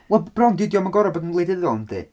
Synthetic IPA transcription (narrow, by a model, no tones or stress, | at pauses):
wɛlˠb̥rɔnɡɪdjɔmaɡɔɾɔboːdinlejdɪðɔndḭ